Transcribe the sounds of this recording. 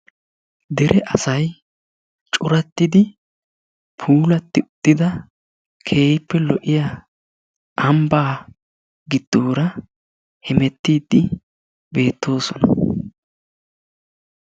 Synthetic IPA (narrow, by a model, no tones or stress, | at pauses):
d̪ɛɾʔɛʔɐsɐj | t͡ʃʼʊɾɐt̪ːɪd̪ɪ | pʰuːlɐt̪ːɪʊt̪ːɪd̪ɐ | kʰe̞ːjɪpːɛlɔʔɪja | ʔɐmbaː | ɡɪd̪̥ːuːɾɐ | hɛmɛt̪ːiːd̪ːɪ | be̞ːt̪ːo̞ːsɔnɐ